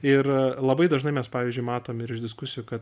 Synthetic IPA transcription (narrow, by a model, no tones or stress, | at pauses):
ɪrlˠɐbɐɪd̪ɐʒnɐɪmʲɛspɑːʋʲiːzʲd͡ʒʲʊɪmɑːt̪oːmɪɾɪʒd̪ʲɪskʊsʲɪjʊkɐt̪